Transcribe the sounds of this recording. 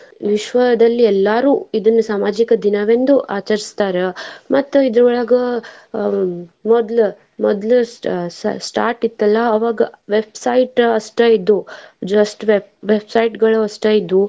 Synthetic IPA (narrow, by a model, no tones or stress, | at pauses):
ʋiʃʋɐɐd̪ɐlːiɛlːaːɾuːid̪ɐnːusaːmaːd͡ʒikɐd̪inɐʋend̪uʔaːt͡ʃɐɾist̪aːɾemɐt̪ːuid̪ɾɐɐɭaːɡɐ | mɔd̪l | mɔd̪lɐssʈaːɾʈit̪ːɐlːɐːʋaːɡɐʋebsɐjʈɐsʈɐid̪ːud͡ʒɐsʈʋebʋebsɐjʈɡɐɭuɐsʈɐid̪ːu